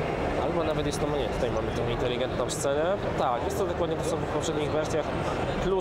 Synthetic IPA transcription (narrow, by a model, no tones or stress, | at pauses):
albɔnavɛt̪jɛst̪ɔmɲɛt̪u̥t̪ajmamɘt̪ɔ̃wint̪ɛlʲiɡɛnt̪nɔ̃w̃st̪sɛnɛt̪akjɛst̪t̪ːɔd̪ɔkwad̪ɲɛt̪ɔsɔbufpɔpʂɛd̪ɲiɣvɛɾsʲjax | plu